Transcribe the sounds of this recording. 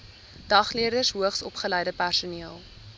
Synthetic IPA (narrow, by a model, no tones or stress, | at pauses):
d̥ɐχliədərsɦuəχsɔpχəlɛjdəpærsuniəlˠ